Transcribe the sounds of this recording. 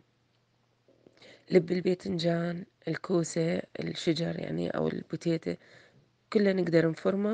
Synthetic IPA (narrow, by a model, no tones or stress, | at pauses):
lɪbːɪlbeːt̪ɪnd͡ʒaːn | ɪlkʰuːsaɪ̰lʃɪd͡ʒɑɾˤja̰ʕnḭʔa̰wɪ̰lb̥ʊt̪eːt̪a | kʊlːanɪɡd̪ɑɾˤnfʊɾˤma